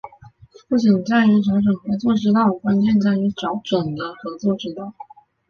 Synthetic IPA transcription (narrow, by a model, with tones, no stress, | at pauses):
pu˥˩t͡ɕi˨˩nt͡sa˥˩ɪy˧˥ʈ͡ʂʰɑ˧˥ŋʈ͡ʂɤ˨˩ŋxɤ˧˥t͡swɔ˥˩ʈ͡ʂɻ̩˥t̪̬ɑ˥˩ʊkwa˥nt͡ɕjɛ˥˧nt͡sa˥˩ɪy˧˥ʈ͡ʂɑ˧˥ʊʈ͡ʂwə˨˩ŋd̪ə˦xɤ˧˥t͡swɔ˥˩ʈ͡ʂɻ̩˥t̪ɑ˥˩ʊ